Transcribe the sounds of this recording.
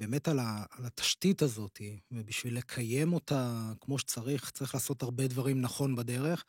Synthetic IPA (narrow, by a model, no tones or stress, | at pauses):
be̞ːme̞talaːlat̪ḁʃtitazo̞t̪ivebiʃvilːe̞kʰaje̞mo̞t̪akmo̞ʃe̥t͡saʁiχt͡saʁiχlaːso̞taʁbe̞d̪vaʁimnaχo̞nbad̪e̞ʁe̞χ